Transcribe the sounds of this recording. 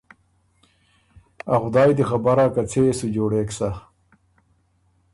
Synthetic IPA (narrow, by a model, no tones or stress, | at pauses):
axʊd̪ɑːjd̪ixabaɾakat͡sʰesud͡ʑoːɽeːksa